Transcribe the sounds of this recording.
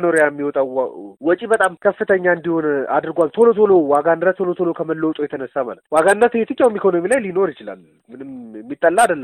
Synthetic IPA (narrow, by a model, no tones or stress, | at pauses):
noɾjamːiwɔt̪ʼawwɔt͡ʃʼibət̪ʼamkʰəfːɨt̪ʰəɲːaɨnd̪iho̞na̰d̪ɨɾɡʷalt̪ʰo̞lo̞t̪ʰolo̞waɡanɾət̪ʰolot̪ʰolokʰəməlːəwt̪ʼojɛt̪ʰənəsːama̰lət̪waɡanɾət̪het̪ɨkːjawumikʰo̞no̞milajlino̞ɾjɪt͡ʃɪla̰l | mɨnɨmmːit̪ʼːəlːaːd̪əlːə